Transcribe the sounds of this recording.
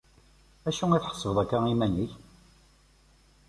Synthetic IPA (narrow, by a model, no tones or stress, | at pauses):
æʃuiθħə̥sˤːəvəðˤækːæimænəç